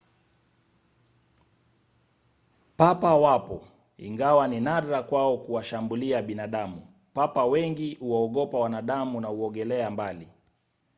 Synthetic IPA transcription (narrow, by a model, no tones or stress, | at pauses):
papawapɔ | ḭŋɡawaninaɾakwaɔkuwaʃambuliaɓinaɗamu | papawɛŋɡiuwaɔɠɔpawanaɗamunauɔɠɛlɛambali